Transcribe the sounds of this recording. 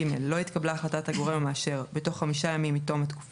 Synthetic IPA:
imḛlːo̞itkablaːχlatataɡo̞ʁemamaːʃe̞ʁbeto̞χːamiʃajamimːito̞mat̪ku̥f

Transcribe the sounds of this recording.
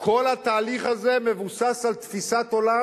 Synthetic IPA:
kʰo̞lat̪aːliχazeme̞vusasalt̪fisat̪o̞la

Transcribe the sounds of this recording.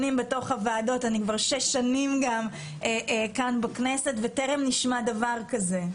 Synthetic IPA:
nimbe̞to̞χavaːdo̞tanikvaʁʃeʃːanimɡam | eʔkanbakne̞se̞tveteʁemniʃmadavaʁkaze̞

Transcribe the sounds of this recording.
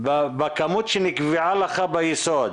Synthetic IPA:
bbakamut̪ʃinikviʕalaχabajisɔd̪

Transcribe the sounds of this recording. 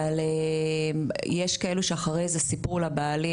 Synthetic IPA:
alemjeʃkaeluʃeaχaʁejzesipuʁlabaːli

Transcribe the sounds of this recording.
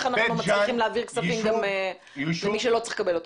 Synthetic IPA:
χanaχnumat͡sliiχimleaviʁksafimɡame | zemiʃelo̞t͡si̥χkabelo̞t̪

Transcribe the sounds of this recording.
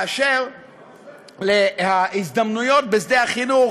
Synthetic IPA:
aʃeʁ | lehaizd̪amnujo̞t̪̚bezd̪ehaχinu

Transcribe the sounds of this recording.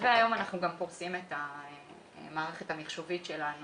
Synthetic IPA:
veajo̞manaχnuɡampoʁsimeta | maːʁeχe̞tamiχʃovitʃelanu

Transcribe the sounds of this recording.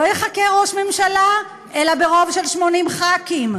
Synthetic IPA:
lojeχakeʁo̞ʃme̞mʃala | ʔe̞labeʁo̞vʃe̞lʃmo̞nimχakim

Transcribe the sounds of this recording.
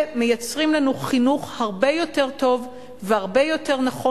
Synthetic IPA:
me̞jat͡sʁimlanuχinuχhaʁbe̞jo̞te̞ʁto̞v | vehaʁbe̞jo̞te̞ʁnaχo

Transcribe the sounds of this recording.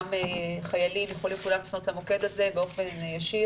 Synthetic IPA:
meχajalimjaχolimkulamlifno̞t̪lamoke̞d̪aze̞beo̞fenjaʃi

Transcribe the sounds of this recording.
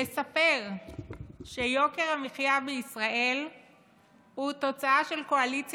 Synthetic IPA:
esape̞ʁ | ʃejo̞ke̞ʁamiχjavbeisʁaʔe̞l | hut̪o̞t͡saaʃe̞lko̞alit͡s

